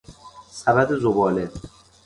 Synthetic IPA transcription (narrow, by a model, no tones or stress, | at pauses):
sæbæd̪ezobɒːle